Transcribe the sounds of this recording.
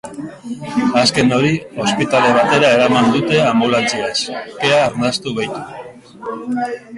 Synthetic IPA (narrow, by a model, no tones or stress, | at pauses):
aske̞no̞ɾio̞spit̪ale̞β̞at̪e̞ɾae̞ɾamand̪ut̪e̞ambulant͡siaske̞aːɾnast̪uβajt̪u̥